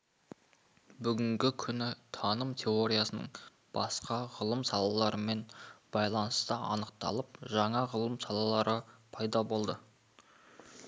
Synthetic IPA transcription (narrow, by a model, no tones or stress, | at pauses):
bʏɡʲɪŋɡʲɪkʲʰʏnɪt̪ʰɑnəmt̪ʲʰe̞o̞ɾʲijasənə̰ɴ | b̥ɑ̰sqɑʁəlˠəmsɑlˠɑlˠɑɾəme̞nb̥ɑjlˠɑnəst̪əɑ̰nəq̚t̪ɑ̰lˠəp̚ʒɑɴɑʁəlˠəmsɑlˠɑlˠɑɾəpʰɑjd̪ɑbo̞lˠd̪ə